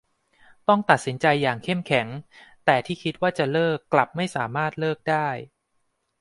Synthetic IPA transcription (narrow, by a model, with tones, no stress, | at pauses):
t̪ɔ˥˩ŋt̪a˨˩t̪̚si˩˦nt͡ɕa˧jːaː˨˩ŋkʰe˥˩mkʰɛ˩˦ŋt̪ɛː˨˩t̪ʰiː˥˩kʰi˦˥t̪̚waː˥˩t͡ɕa˨˩lɤː˥˩kːla˨˩p̚ma˥˩jsaː˩˦maː˥˩t̪̚lɤː˥˩k̚daː˥˩j